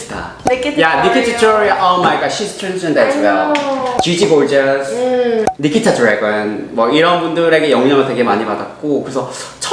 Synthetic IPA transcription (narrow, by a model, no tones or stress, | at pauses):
tʰa̰ | janikʰitʰat͡ɕʰuaʔʌmaik͈aɕʰistʰend͡ʑʰɯndet͡ɕʰiɡat͡ɕid͡ʑiboɭd͡ʑʌs | nikʰitʰatʰuɾeɡɯnmwʌiɾʌnbundɯɾe̞ɡe̞jʌŋɲʌŋɯɭte̞ɡe̞maɲibada̰t̚k͈okɯɾesʰʌt͡ɕʰ